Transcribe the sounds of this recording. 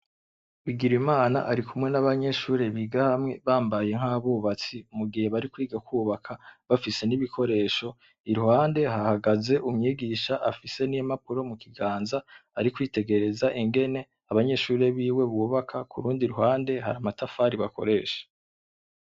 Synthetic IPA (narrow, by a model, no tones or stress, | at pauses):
wiɡiɾimaːna̰ʔaɾikumŋe̞naβaɲe̞ʃuːɾe̞βiːɡahamŋe̞βaːmbaje̞ŋ̥haːβuːβat͡simuɡihe̞βaɾikwiːɡakwuːβakʰaβafise̞niβikʰo̞ɾe̞ːʃo̞ | iɾuhaːnde̞hahaɡaze̞ʔumɲiːɡiːʃaʔafise̞nijemapuɾo̞mukiɡaːnzaːɾikwiːte̞ɡe̞ɾe̞zaʔiŋɡe̞ne̞ | aβaɲe̞ːʃuːɾe̞βiːwe̞βuːβakʰakʰṵɾuːndiɾuɦaːnde̞ha̰ɾamatafaːɾiβako̞̰ɾe̞ːʃḁ